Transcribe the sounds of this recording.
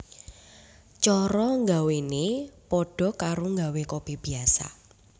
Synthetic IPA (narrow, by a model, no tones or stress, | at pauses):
t͡ʃɔɾɔŋɡawenepɔɖ̥ɔ̤kaɾoŋɡawekob̥i̤hb̥i̤asa̰